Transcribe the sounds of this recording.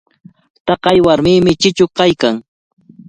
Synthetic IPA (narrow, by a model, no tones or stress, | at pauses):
t̪ɑqɑjwaɾmɪːmɪt͡ʃɪt͡ʃʊkajkaŋ